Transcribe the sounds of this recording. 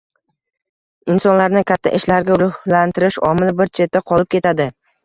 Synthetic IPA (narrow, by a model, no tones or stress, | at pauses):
ɪnsɒnlaɾnɪkʲʰat̪ʰːa̰ʔɪʃlaɾɡʲaɾʊhlant̪ʰɪɾɪʃɒmɪlbɪɾt͡ʃʰe̞t̪ʰːaqʰɒlˠɪp̚kʲe̞t̪ʰad̪ɪ